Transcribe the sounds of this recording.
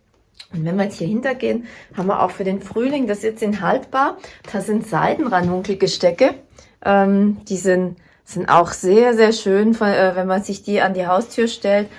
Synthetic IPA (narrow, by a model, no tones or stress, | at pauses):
ʔʊntv̥ɛnviɐjɛt͡shiːɐhɪntɐɡeːənhaːbmviɐʔa̰ʊxfyːɐdeːnfʁ̥yːlɪŋd̥asɪt͡sɪnɦaltb̥aːɐd̥aːzɪntz̥a̰ɪdn̩ʁanʊŋkl̩ɡəʃtɛkə | ʔɛːmd̥iːzɪn | z̥ɪntʔa̰ʊxz̥eːɐzeːɐʃøːnfɔʔɛːvɛnmanzɪçd̥iːandiːɦaʊstʰyːɐʃtɛlt